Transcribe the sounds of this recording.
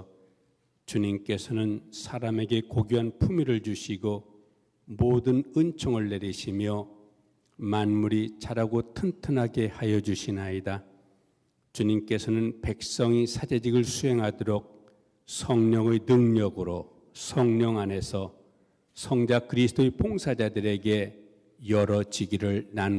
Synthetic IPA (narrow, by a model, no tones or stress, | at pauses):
t͡ɕuɲimk͈e̞sʰʌnɯnsʰaɾame̞ɡe̞koɡjuɦanpʰumiɾɯɭd͡ʑuɕʰiɡo | modɯnɯnt͡ɕʰoŋɯɭːe̞ɾiɕʰimjʌ | manmuɾit͡ɕaɾaɡotʰɯntʰɯnɦaɡe̞hajʌd͡ʑuɕʰinaida | t͡ɕuɲimk͈e̞sʰʌnɯnpe̞k̚s͈ʌŋisʰad͡ʑe̞d͡ʑiɡɯɭsʰuɦe̞ŋɦadoɾok̚ | sʰʌŋɲʌŋɯjnɯŋɲʌɡɯɾo | sʰʌŋɲʌŋane̞sʰʌ | sʰʌŋd͡ʑakɯɾisʰɯ̥tʰoepʰoŋsʰad͡ʑadɯɾe̞ɡe̞ | jʌɾʌd͡ʑiɡiɾɯɭnan